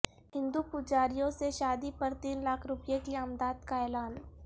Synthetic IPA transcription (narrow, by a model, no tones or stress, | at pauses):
ɦɪ̃nd̪upʊd͡ʒaːɾijõseʃaːd̪ipɐɾt̪iːnlaːkʰɾʊpjekieamd̪aːd̪kaɛːlaːn